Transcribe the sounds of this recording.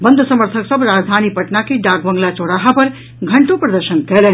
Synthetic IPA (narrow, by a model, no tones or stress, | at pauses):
bənd̪ʱəsəməɾt̪ʰəksəbʱɾaːd͡ʒd̪ʱanipəʈnakeɖaɡ̚bəŋɡlat͡ʃoɽaɦapɐɾ | ɡʱɐɳʈopɾɐd̪əɾʃənkɛɦle